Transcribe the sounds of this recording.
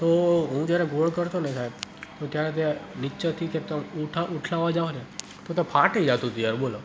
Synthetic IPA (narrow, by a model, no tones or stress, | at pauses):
t̪oɦũd͡ʒjaɾɛɡʱoɭkəɾt̪onɛkʰaebt̪okjaɾɛt̪̬eniːʃət̪ʰikep̚t̪auʈʰaʔuʈʰlaʋad͡ʒaʋone | t̪ot̪epʰaʈəid͡ʒat̪ũt̪ujaɾbolo